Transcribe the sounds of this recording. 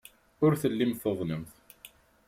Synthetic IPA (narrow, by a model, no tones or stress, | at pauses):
ʊɾθəlːimθoðˤnəmθ